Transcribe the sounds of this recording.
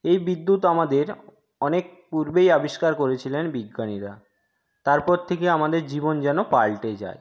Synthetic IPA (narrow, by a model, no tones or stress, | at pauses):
ejbid̪ːut̪amad̪eɾ | ɔnek̚puɾbejabiʃkaɾkoɾet͡ɕʰilenbiɡːaniɾa | t̪aɾpɔɾt̪ʰekeamad̪eɾd͡ʑibond͡ʑɛnopalʈed͡ʑa̰e